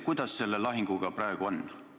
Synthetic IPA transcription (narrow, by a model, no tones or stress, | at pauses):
kujd̪̥ɑsːe̞lːelɑɦiŋɡ̥uɡ̥ɑprɑeɡ̥uo̞nː